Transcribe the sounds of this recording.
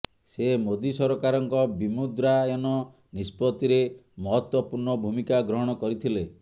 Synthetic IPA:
semod̪isɔɾɔkaɾɔŋkɔbimud̪ɾaenɔ | nispɔt̪iɾemɔɦɔt̪wɔpuɾɳɔbʱumikaɡɾɔɦɔɽ̃ɔkɔɾit̪ʰile

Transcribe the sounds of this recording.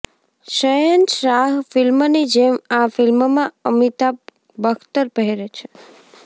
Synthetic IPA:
ʃəjənʃɾaɦfilmnid͡ʒemafilmmãəmit̪a | bəkʰt̪əɾpəɦɛɾet͡ʃʰe

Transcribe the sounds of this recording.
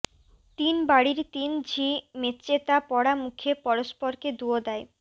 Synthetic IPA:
t̪inbaɽiɾt̪ind͡ʑʱimet̪t͡ɕet̪apɔɽamukʰepɔɾoʃpoɾked̪uod̪ɛe

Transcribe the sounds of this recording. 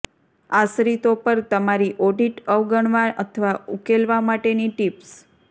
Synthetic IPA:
asɾit̪opəɾt̪əmaɾiʔɔɖiʈəʋɡəɳ̃ʋaʔət̪ʰəʋaukelʋamaʈeniʈips

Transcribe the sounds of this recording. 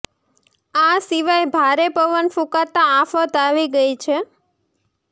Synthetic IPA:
asiʋajbʱaɾepəʋənfũkat̪aːfət̪aʋiɡəjt͡ʃʰe

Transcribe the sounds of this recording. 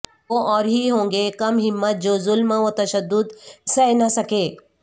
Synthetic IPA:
oʔɔːɾɦiɦõːŋ̆ɡekɐmɦɪmːət̪̚d͡ʒoːzʊlməʋot̪ɐʃəd̪ːʊd̪sɐnɐsɐkeː

